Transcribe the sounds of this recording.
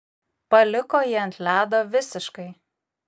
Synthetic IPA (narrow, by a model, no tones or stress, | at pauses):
pɐlʲɪkoːjiɐnʲt̪ʲlʲæːd̪oːʋʲɪsʲɪʃkɐɪ